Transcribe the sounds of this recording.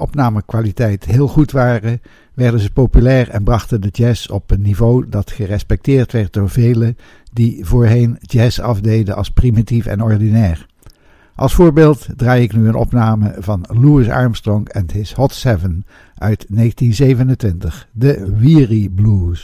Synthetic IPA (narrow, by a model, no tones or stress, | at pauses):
ɔpnaːməkʋaːlitɛjtɦɪːlˠχutʋaːrə | ʋɛɹdənzəpowpylɛːɹɛnbrɑχtəndəd͡ʒɛsɔpənːivowdɑtχərɛspɛk̚tɪːɹtʋɛɹt̚dʊːɹvejlə | divoːɹɦejnd͡ʒɛsɑfdejdənʔɑ̰lˠsprimitifɛ̰nɔɹdinɛːɹ | ʔɑ̰lˠsfʊːɹbeːlˠtdraːjɪknyənɔ̰pnaːməvɑnluɪsɑ̰ɹmstrɔŋkɛnɦɪshɔtsɛvən | ʔœɥtnejχəntinzejvənəntʋɪntəχdəʋiːriblus